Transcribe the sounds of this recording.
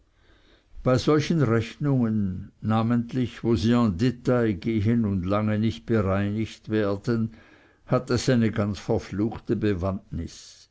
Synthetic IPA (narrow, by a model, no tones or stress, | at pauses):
b̥aɪz̥ɔlçənʁɛçnʊŋənːaːməntlɪçvoːziːɑ̃ndetaɪɡeːɦənʊndlaŋənɪçt̚b̥əʁaɪnɪçtvɛːɐd̥ən | hatesaɪnəɡant͡sfɛɐfluːxtəbəvantnɪs